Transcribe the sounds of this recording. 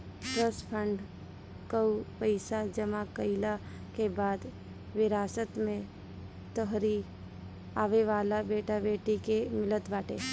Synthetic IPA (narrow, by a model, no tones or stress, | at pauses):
pɾəspʰə̃ɳɖ | kəwpəɪsad͡ʒəmakəɪla | kebaːd̪ | ʋɪɾaːsət̪mẽ | t̪əɦɾi | aːʋeʋaːlabeːʈabeːʈikemɪlət̪baːʈe